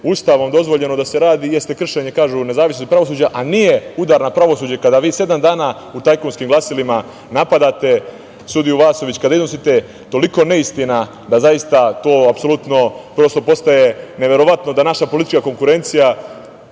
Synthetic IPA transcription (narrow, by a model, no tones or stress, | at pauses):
ust̪aːʋo̞md̪o̞zʋo̞ʎe̞no̞d̪ase̞ɾaːd̪ije̞st̪e̞kr̩ʃe̞ɲe̞kaːʒune̞zaːʋisnost̪̚pɾaʋo̞suːd͡ʑaʔaniːje̞ud̪aːɾnapɾaʋo̞suːd͡ʑekad̪aʋiːse̞d̪amd̪aːna | ut̪ajkonskimɡlˠasilima | napad̪at̪e̞ | sud̪ijuʋaːso̞ʋit͡ɕkad̪aiznosit̪e̞ | t̪o̞liko̞ne̞ist̪ina | d̪azajist̪at̪o̞ːapso̞lut̪no̞pɾo̞st̪o̞po̞st̪aje̞neʋe̞ɾo̞ʋat̪no̞d̪anaʃapolit̪i̥t͡ʃkako̞ŋkuɾe̞nt̪sija